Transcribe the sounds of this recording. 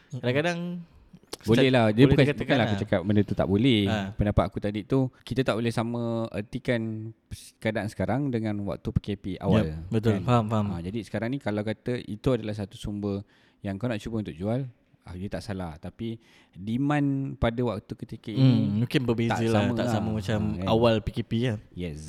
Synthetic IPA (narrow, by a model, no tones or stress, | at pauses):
kadaŋkadaŋ | bolɛhlahd͡ʒadibkaktbukanlahakut͡ʃakap̚bəndət̪ut̪a̰ʔbolɛhpəndapat̪akut̪adit̪ukit̪ət̪aʔbolɛhsamə̃ə̰rt̪ikan | kadaʔansə̥kaɾaŋdəŋãnwa̰k̚t̪upəkepia̰walbət̪ʊlfamfamad͡ʒadisə̥kaɾaŋnikalawkat̪əʔḭt̪uadalahs̬at̪usumbə | jaŋkawnaʔt͡ʃubəunt̪ʊk̚d͡ʒual | a̰d͡ʒət̪aʔsalaht̪api | dimãnpadəwak̚t̪ukət̪ikəʔinimũŋkɪnbəbea̰zəlamət̪asaməmat͡ʃamjawalpikepijəjɛs